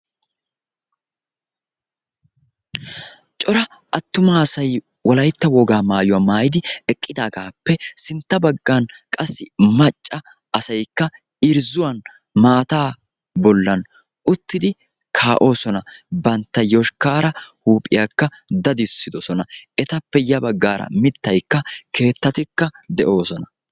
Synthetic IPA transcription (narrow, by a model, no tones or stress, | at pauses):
t͡ʃʼɔɾɐ | ʔɐt̪ːʊmasɐj | wɔlɐjt̪ːɐwɔɡaːmaːjʊwaːmaːjɪd̪ɪɛkʼːɪd̪aːɡaːpːɛsɪnt̪ːɐbɐɡːankʼɐsːɪmɐt͡ʃʼːɐ | ɐsɐjkːɐ | ɪɾzʊwɐn | maːt̪aː | bɔlːɐn | ʔʊt̪ːɪd̪ɪ | kʰaːʔo̞ːsɔnɐbɐnt̪ːɐjɔʃkaːɾɐhuːpʼɪjakːɐ | d̪ɐd̪ɪsːɪd̪ɔsɔnɐʔɛt̪ɐpːɛjɐbɐɡːaːɾɐ̰mɪt̪ːɐjkːɐkʰe̞ːt̪ːɐt̪ɪkːɐd̪ɛʔo̞ːsɔnɐ